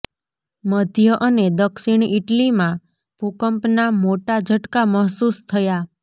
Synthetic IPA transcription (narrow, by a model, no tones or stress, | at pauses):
məd̪ʱjəʔəned̪əkʃiɳ̃iʈlimã | pukəmpnamoʈad͡ʒʱəʈkaməɦsust̪ʰəja